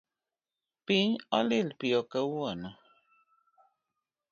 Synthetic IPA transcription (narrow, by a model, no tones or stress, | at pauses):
piɲɔ̰lelpjɔkəwwonə